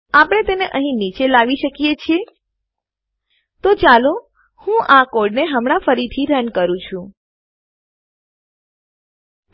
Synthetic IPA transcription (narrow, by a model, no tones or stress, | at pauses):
apəɽ̃et̪eneʔəɦĩnit͡ʃelaʋiʃəkijet͡ʃʰie | t̪ot͡ʃalo | hũʔakoɽneɦəmɽ̃afəɾit̪ʰiɾənkəɾũt͡ʃʰũ